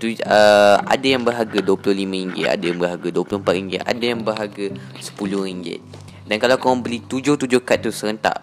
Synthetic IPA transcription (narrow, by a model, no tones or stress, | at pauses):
t̪uəa̰dajaŋbəɦaɡaduwapulʊlimãɾiŋɡɪ̰t̪a̰dajaŋbərɦaɡaduəpulʊm̩pat̪̚riŋɡɪt̪a̰dajaŋbərɦaɡasə̥pulʊhɾiŋɡɪ̰t̪̚ | dankalawkamaŋbəlit̪ud͡ʒʊht̪ud͡ʒʊhkat̪̚ːusəɾənt̪a̰ʔ